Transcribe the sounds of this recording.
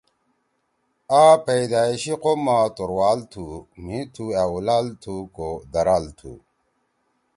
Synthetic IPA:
apejd̪aːiɕiqomat̪oɾwaːlt̪ʰumit̪ʰuaulalt̪ʰukod̪ɐɾaːlt̪ʰṵ

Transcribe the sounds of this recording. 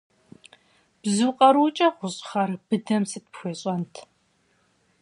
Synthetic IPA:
b̥zɨːqʼɐɾuːt͡ʃʼɐʁʷʊɕʼχɐrb̥ɨdɐmsɨt̚pxʷeːɕʼɐntʰ

